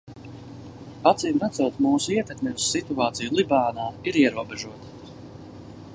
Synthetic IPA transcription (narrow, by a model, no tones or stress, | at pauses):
at̪siːmvat̪suɔt̪muːsuiɛt̪ɛkmʲivsːit̪uaːt̪sijulˠibaːnaːiɾiɛɾuɔbɛʒuɔt̪